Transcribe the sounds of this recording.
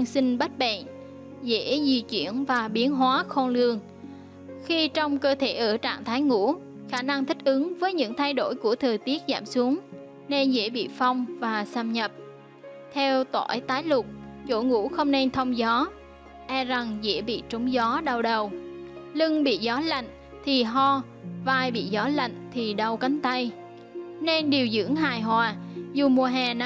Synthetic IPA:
ŋsi˧ŋ̟ɓa˦˥t̚ɓḛ˧˨n | zḛ˧˥zi˨˩t͡ɕwi˧˩ənvaː˨˩ɓi˨˦ənɦwaː˨˦xɔ˧nlɨ˧əŋ | xi˧t͡ɕɔ˧wŋ͡mkəː˧t̪ʰe˧˩ʔəː˧˩t͡ɕa̰ː˧˨ŋt̪ʰaː˨˦jŋṵ˧˥ | xaː˧˩na˧ŋt̪ʰï˦˥k̟̚ʔɨ˨˦ŋvəː˨˦jɲɨ̰˧˥ŋt̪ʰa˧jɗo˧˩jku˧˩ət̪ʰəː˨˩t̪i˦˥ət̚za̰ː˧˩msu˨˦əŋ | ne˧nzḛ˧˥ɓḭ˧˨fa˧wŋ͡mvaː˨˩saː˧mɲə˨˩p̚ | t̪ʰɛ˧wt̪wa̰ː˧˩jt̪aː˨˦jlʊ˨˩k͡p̚t͡ɕo̰˧˥˩ŋṵ˧˥xə˧wŋ͡mne˧nt̪ʰə˧wŋ͡mzɔ˨˦ | ʔɛ˧za˨˩ŋzḛ˧˥ɓḭ˧˨t͡ɕə˨˦wŋ͡mzɔ˨˦ɗa˧˩wɗə˨˩wlɨ˧ŋɓḭ˧˨zɔ˨˦la̰˧˨ŋ̟ | t̪ʰi˨˩ɦɔ˧ | vaː˧˩jɓḭ˧˨zɔ˨˦la̰˧˨jŋ̟t̪ʰi˨˩ɗə˧˩wka˨˦ŋ̟t̪a˧j | ne˧nɗi˨˩əwzɨ̰˧˥əŋɦaː˨˩jɦwaː˨˩zu˨˩mu˨˩əɦɛː˨˩n˨

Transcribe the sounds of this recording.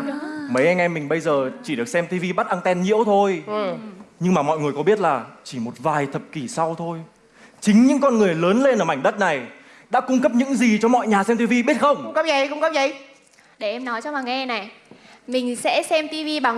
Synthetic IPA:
mə˨˦jʔɛ˧ŋʔɛ˧mːï˨˩ŋ̟ɓə˧jzəː˨˩t͡ɕi˧˩ɗɨ˨˩ək̚sɛ˧mt̪i˧vi˧ɓa˦˥t̚ʔa˧nt̪ɛ˧nɲḭ˧˥əwt̪ʰo˧jʔɲɨ˧ŋmaː˨˩mɔ̰˧˨jŋɨ˨˩əjkɔ˨˦ɓi˦˥ət̚laː˨˩t͡ɕi˧˩mo˨˩t̚vaː˨˩jt̪ʰə˨˩p̚ki˧˩sa˧wt̪ʰo˧j | t͡ɕï˨˦ŋ̟ɲɨ̰˧˥ŋkɔ˧nŋɨ˨˩əjləː˨˦nle˧nʔəː˧˩ma˧˩jŋ̟ɗə˦˥t̚na˨˩j | ɗa̰ː˧˥kʊ˧ŋ͡mkə˦˥p̚ɲɨ̰˧˥ŋzi˨˩t͡ɕɔ˧mɔ̰˧˨jɲaː˨˩sɛ˧mt̪i˧vi˧ɓi˦˥ət̚xə˧wŋ͡mŋ͡mkə˦˥p̚ə˨˦jkʊ˧ŋ͡mkə˦˥p̚zə˨˦j | ɗe˧˩ʔɛ˧mnɔ˨˦jt͡ɕɔ˧ɓaː˨˩ŋɛ˧na˨˩j | mï˨˩ŋ̟sɛ̰˧˥sɛ˧mt̪i˧vi˧ɓaː˨˩ŋ

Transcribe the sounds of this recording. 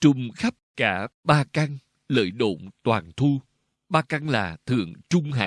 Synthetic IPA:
t͡ɕʊ˨˩ŋ͡mxa˦˥p̚kaː˧˩ɓaː˧ka˧ŋ | lə̰ː˧˨jɗo̰˧˨ŋ͡mt̪waː˨˩nt̪ʰu˧ | ɓaː˧ka˧ŋlaː˨˩t̪ʰɨ̰˧˨əŋt͡ɕʊ˧ŋ͡mɦa̰ː˧˨

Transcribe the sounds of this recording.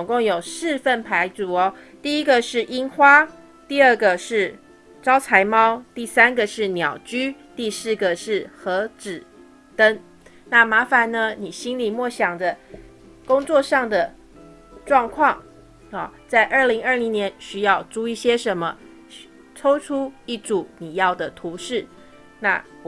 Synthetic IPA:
t͡soʊ˨˩ŋko˥˩ŋjo˨˩ʊʂɻ̩˥˧fə˥˩npʰa˧˥ɪt͡su˨˩ɔ˦ | t̪i˥˩i˥ɡə˨ʂɻ̩˥˩ʔi˥nxwa˥ | t̪i˥˧ə˥˩ɡə˨ʂɻ̩˥˩ | ʈ͡ʂɑ˥ʊt͡sʰa˧˥ɪmɑ˥ʊt̪i˥˩sa˥nɡə˨ʂɻ̩˥˩njɑ˨˩ʊt͡ɕy˥ | t̪i˥˧sɹ̩˥˩ɡə˨˩ʂɻ̩˥˩xɤ˧˥ʈ͡ʂɻ̩˨˩ | t̪ə˥ŋ | na˥˩ma˧˥fa˨˦nnə˦ni˨˩ɕi˥nli˨˩mwɔ˥˩ɕjɑ˨˩ŋd̪ə˦ | kʊ˥ŋt͡swɔ˥˧ʂɑ˥˩ŋd̪ə˨˩ | ʈ͡ʂwɑ˥˧ŋkʰwɑ˥˩ŋ | ɔ˨t͡sa˥˧ɪʔə˥˩li˧˥ŋə˞˥˩li˧˥ŋnjɛ˨˧˦nɕy˥jɑ˥˧ʊʈ͡ʂu˥˧i˥˩ɕjɛ˥ʂə˧˥nmə˧ | ʈ͡ʂʰo˥ʊʈ͡ʂʰu˥i˥˩ʈ͡ʂu˨˩ni˨˩jɑ˥˩ʊd̪ə˩t̪ʰu˨˧˥ʂɻ̩˥˩ | na̰˥˩

